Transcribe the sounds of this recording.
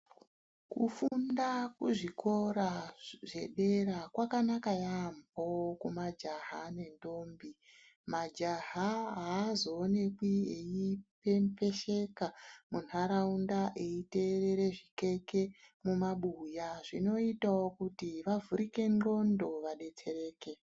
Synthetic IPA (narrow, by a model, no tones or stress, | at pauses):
kufundakuʐikʰo̞ɾaʐe̞ɗe̞ɾakwakanakajambokumad͡ʒaɦane̞ndo̞ːmbi | mad͡ʒaɦaɦaːzoːne̞kwiejipempe̞ʃe̞kamunaɾaundaʔeite̞re̞ɾe̞ʐike̞ke̞mumaɓujaʐino̞itaokutiʋavuɾike̞nŋ͡ǃo̞ndo̞ʋaɗe̞t͡se̞ɾe̞ːke̞